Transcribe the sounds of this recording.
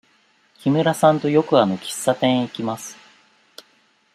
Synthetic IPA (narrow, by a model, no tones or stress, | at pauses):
kʲimɯ̟ɾasãnt̪o̞jo̞kɯ̟ano̞kʲi̥sːat̪ẽɰ̃ikʲimasɨ̥